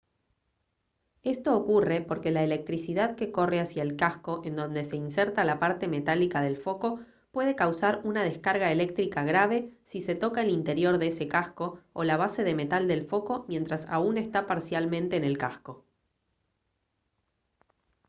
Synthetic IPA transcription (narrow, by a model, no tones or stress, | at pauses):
e̞st̪o̞ːkure̞po̞ɾke̞laele̞k̚t̪ɾisiðaðke̞ko̞re̞asjaelkasko̞ʔend̪o̞nd̪e̞se̞inseɾt̪alapaɾt̪e̞met̪alikaðe̞lfo̞ko̞ | pwe̞ðe̞kawsaɾunað̞e̞skaɾɣ̞aele̞k̚t̪ɾikaɣ̞ɾaβ̞e̞sise̞t̪o̞kaelint̪e̞ɾjo̞ɾðeese̞kasko̞ːlaβ̞ase̞ð̞e̞me̞t̪ald̪e̞lfo̞ko̞mje̞nt̪ɾasa̰une̞st̪apaɾsjalmẽnt̪eːne̞lkasko̞